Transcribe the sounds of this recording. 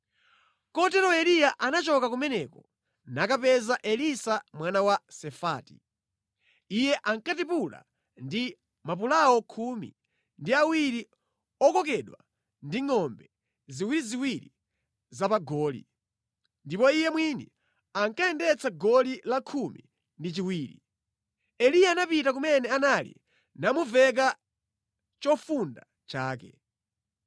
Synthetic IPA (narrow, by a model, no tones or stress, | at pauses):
kɔtɛɾɔɛlijaʔanat͡ʃɔkakumɛnɛkɔ | nakapɛzaʔɛlisamwanawasɛfaːti̥̰ | ijɛʔaŋkatipula̰ | ndi | map̬ulaɔkʰumḭ | ndiawiɾi | ɔkɔk̬ɛɗwa̰ | ndiŋɔmbɛ | ziwiɾiziwiɾi | zapaɡɔːlḭ | ndipɔijɛmwini | aŋkaɛndɛt͡saɡɔlilakʰumi | ndit͡ʃiwiːɾḭ | ɛlijaːnapitak̬umɛnɛanalḭ | namuvɛk̬a | t͡ʃɔfunda | t͡ʃaːkɛ